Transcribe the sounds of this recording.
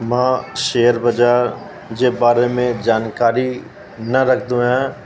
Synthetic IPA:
mãːʃeːəɾbəd͡ʒaːɾ | d͡ʒebaːɾemẽd͡ʒaːnkaːɾi | nəɾəkʰd̪ũɦɛ̃ː

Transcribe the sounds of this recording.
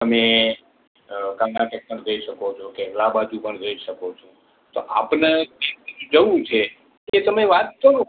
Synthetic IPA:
əme | kanãʈɛk̚ʈəɾd̪əiʃəkot͡ʃʰokeʋlabad͡ʒupəɳɾəiʃəkot͡ʃʰo | t̪oʔapnaeiud͡ʒəʋũt͡ʃʰe | et̪əmeʋat̪̚kəɾũ

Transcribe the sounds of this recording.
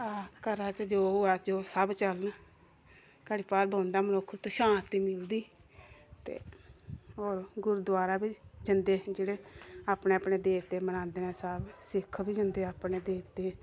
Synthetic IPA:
aːkəɾaːt͡ʃəd͡ʒoːɦoːɛːd͡ʒoːsəbt͡ʃəln | kəɽiːpaːɾbʱõːnd̪aːmənʊkʰːt̪oʃãːnt̪iːmɪld̪iː | t̪ḛː | ɦoːɾɡʊɾuːd̪waːɾaːbid͡ʒənd̪eːd͡ʒeːɽeːaːpneːapneːd̪eːʋt̪eːmənãːnd̪eːnɛ̃ːsəbsɪkʰbiːd͡ʒənd̪eːaːpneːd̪eːʋt̪eː

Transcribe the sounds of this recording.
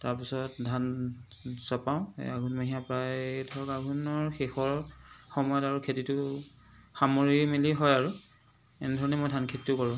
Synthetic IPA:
taɹpisɔtdʱan | z̥ɔpaʊ̰̃aɡʱunmaɦijapɹajdʰʱɔɹɔkaɡunɔɹxexɔɹxɔmɔjɔtaɹukʰetitʊ | xamɔɹimiliɦɔjaɹu | enɛdʱɔɹɔnɛmɔjdʱankʰetːtʊkɔɹʊ̃

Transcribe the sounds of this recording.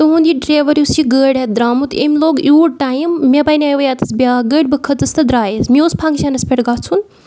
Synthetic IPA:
t̪ɐɦũnd̪iɖɾeːʋɐɾjusiɡəːɽed̪ɾaːmut̪ḛmloːɡjuːɽʈaːjimːʲebajnʲajʋɐjat̪ɐsbjaːɡəʈbɨkʰɐt̪ɐst̪ɐd̪ɾaːjezmiospʰaŋɡsʲanɐspʰʲeʈɡɐɾt͡sʰun

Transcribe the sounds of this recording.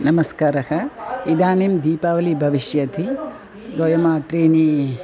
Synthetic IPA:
nɐmɐskaːɾɐhɐid̪aːnimd̪iːpaːʋɐlibʱɐʋiʃjɐt̪ʰi | d̪ʋojɐmaːt̪ɾeːniː

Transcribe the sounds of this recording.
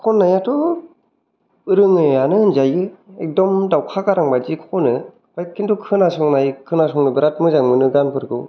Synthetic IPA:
kʰɔnːajatʰɔ | ɯɾɯŋɯanɯnzajɯek̚dɔmdawkʰakaɾaŋbazikʰɔnɯ | bajkʰːintukʰɯnasɔŋnajkʰɯnasɔŋnɯbɯɾat̚mɯzaŋmɯnɯɡanpʰɯɾɡɯw

